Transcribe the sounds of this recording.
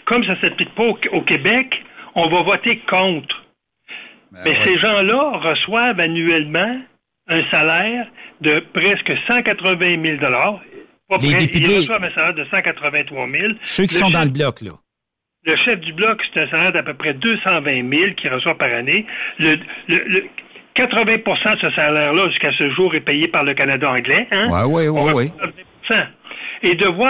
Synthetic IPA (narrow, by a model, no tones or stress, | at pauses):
kɔms̬asɛplik̚pɔokʲebɛkɔ̃vɔvɔt̪ekʰɔ̃t̪χ | mɛseʒɑ̃lʌʁəswavanyɛlmɑ̃ | œ̃salɛːʁd̪əpʁɛskəsɑ̃kat̪ʁəvɛ̃mɪld̪ɔlaːʁ | pɔleɛd̪eilʁəswavɛ̃salɛːʁd̪əsɑ̃kat̪ʁəvɛ̃t̪χwɑmɪlsøkʲisɔ̃d̪ɑ̃ləblɔklʌ̰ | ləʃɛfd̪yblɔkse̥t̪ɛ̃salɛːʁd̪apøpʁɛd̪øsɑ̃vɛ̃mɪlkʲʰiʁəswapaʁanelələləkat̪ʁəvɛ̃puʁsɑ̃əsəsalɛːʁlʌʒyskasəʒuːʁɛpɛjepaʁləkanad̪aɑ̃ɡlɛɛ̰̃wiiat̪əvɛ̃puʁsɑ̃ed̪əvwa